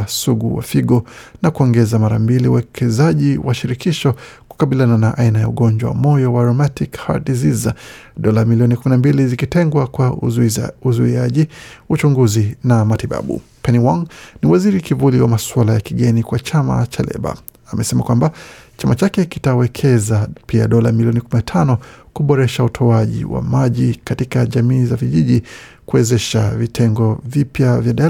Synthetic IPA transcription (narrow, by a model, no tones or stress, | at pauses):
suɠuwa̰fiɠɔnakuɔŋɡɛzamaɾambiliuwɛkʰɛzaʄiwaʃiɾikiʃɔ | ku̥kaɓiliananaʔainaja̰uɠɔɲd͡ʒwa̰wa̰mɔjɔwaɾɔmatikha̰dizizɗɔlamiliɔnikuminambilizikitɛŋɡwakwa | uzuiaʄiut͡ʃuŋɡuzinamatiɓa̰ɓṵpɛniwaŋniwaziɾikivuliwamaswalajakiɠɛnikwat͡ʃama̰t͡ʃalɛ̰ɓa̰ː | mʔɛsɛmakwambat͡ʃamat͡ʃakɛki̥tawɛkʰɛzapia̰ɗɔlamiliɔnikuminatʰanɔkuɓɔɾɛʃautʰɔaʄḭwa̰maʄikatikaʄamiːzaviʄiʄi | kuɛzɛʃa̰vitʰɛŋɡɔvipjavjaɗa